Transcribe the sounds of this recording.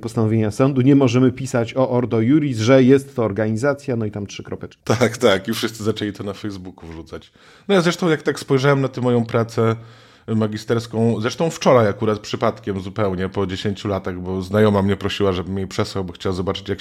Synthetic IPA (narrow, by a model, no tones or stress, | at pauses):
pɔst̪anɔvʲjeɲasɔnd̪uɲɛmɔʐɛmɘpʲisat͡ɕɔʔɔɾd̪ɔjuɾʲizʐɛjɛst̪ːɔːɾɡaɲizat̪sʲjanɔit̪amtʂɘkɾɔpɛt͡ʂkʲit̪akt̪akifʂɘst̪sɘzat͡ʂɛlʲit̪ɔnafɛjzbukuvʐut̪sat͡ɕ | nɔjazɾɛʂt̪ɔ̃w̃jakt̪akspɔjʐawɛmnat̪ɛmːɔjɔ̃w̃pɾat̪sɛ | maɡʲist̪ɛɾskɔ̃w̃zɾɛʂt̪ɔ̃w̃ft͡ʂɔɾajakuɾat̪̚pʂɘpat̪kʲɛmzupɛwɲɛpɔd͡ʑeɕeɲt͡ɕulat̪aɣbɔznajɔmamɲɛpɾɔɕiwaʐɛbɘmjejpʂɛswawbɔxt͡ɕawazɔbat͡ʂɘ̥t͡ɕjak